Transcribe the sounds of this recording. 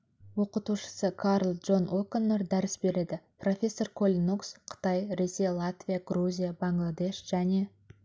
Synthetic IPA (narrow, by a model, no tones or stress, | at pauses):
wo̞qət̪uʃə̥səkʰaɾlˠʒo̞nokonːeɾd̪æɾɪsbe̞ɾe̞d̪ɪpro̞fʲe̞sːo̞rkʰo̞lʲnuksqʰə̥t̪ɑjɾe̞sʲejalˠat̪vʲijaɡruzʲijabaŋɡlˠad̪e̞ʃʒ̥æne̞